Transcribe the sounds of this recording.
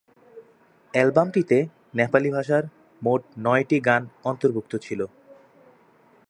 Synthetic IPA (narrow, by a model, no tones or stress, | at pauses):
ɛlbamʈit̪e | nɛpalibʱaʃaɾ | moʈ̚nɔeʈiɡanɔnt̪oɾbʱuk̚t̪ot͡ɕʰilo